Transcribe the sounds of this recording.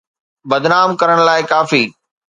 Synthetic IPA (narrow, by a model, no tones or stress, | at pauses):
bɐd̪naːmkɐɾəɽ̃laːɪkaːfiː